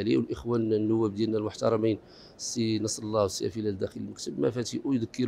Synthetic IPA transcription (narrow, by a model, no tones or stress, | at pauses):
liwəlʔəxwænnːʊwːæb̚d̪jælnælmʊħt̪ɑɾˤɑmin | sinɑsˤlːɑwsːijæ̰filæld̪æxələlməkt̪əbmæ̰fæt̪iʔujd̪əkːəɾ